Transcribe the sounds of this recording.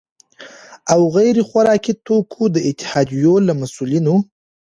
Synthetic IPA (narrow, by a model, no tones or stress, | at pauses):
awɣajɾexwaɾɑkit̪okʰod̪əɪt̪ɪ̥hɑd̪ijolamasulino